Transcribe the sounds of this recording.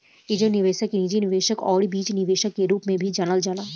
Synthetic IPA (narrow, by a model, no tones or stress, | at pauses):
ɪd͡ʒənɪʋeːʃəkiniːd͡ʒinɪʋeːʃəkɔːɽibiːt͡ʃnɪʋeːʃəkːeɾuːpmẽbʱid͡ʒanəld͡ʒaːnaː